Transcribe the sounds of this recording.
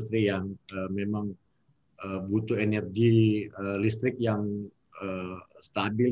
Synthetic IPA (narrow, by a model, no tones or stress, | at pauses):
st̪ɾijaŋəmemaŋ | ʔəbut̪uenɛrɡiəlist̪ɾɪk̚jaŋ | əst̪abɪ